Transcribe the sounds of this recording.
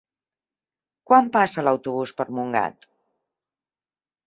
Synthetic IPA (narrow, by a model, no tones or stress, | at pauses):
kwampasələwt̪uβ̞uspəɾmuŋɡa̰t̪